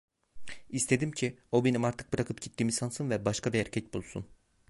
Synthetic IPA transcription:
ist̪ʰe̞d̪imcʰio̞be̞nimaɾt̪ʰɯ̥k̚bɯɾakʰɯpɟit̪ʰːiːmisansɯnvɛbaʃkʰabiæɾcʰɛc̪̚bulˠsṵn

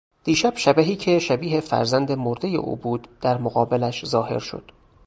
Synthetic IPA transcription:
d̪̥iːʃæb̥ʃæbæɦiːcʰeʃæbiːɦefæ̰ɾzænd̪emoɾd̪eje̞̰ʔṵːbuːd̪̥ːæɾmoɣɒːbelæʃzɒːhe̞̰ɾʃo̞̰d̪̥

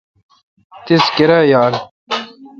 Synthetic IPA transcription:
t̪iskeɾajaːɾ

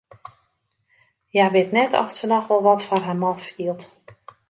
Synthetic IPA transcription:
jaʋɪtnɛtʰɔ̰ftənɔxʋɔlˠʋɔtfɔrɦamɔnfiəlˠt

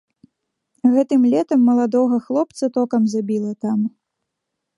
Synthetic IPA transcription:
ɣɛt̪ɨmlʲɛt̪ɐmːɐlˠad̪ɔɣɐxlˠɔp̚t̪sɐt̪ɔkɐmzabʲilˠɐt̪am

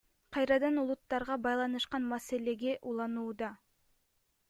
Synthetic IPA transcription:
qʰɑjɾɑd̪ɑnulˠut̪ːɑɾʁɑbɑjlˠɑnɯʃqɑnmase̞le̞ɡe̞ʔulˠɑnuːd̪ɑ

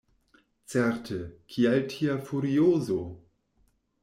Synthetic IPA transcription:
t͡sɛɾtʰəkʰialtʰiafuɾioːzo

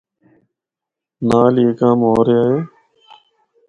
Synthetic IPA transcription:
naːliekãːmoːɾeːaːɦeː

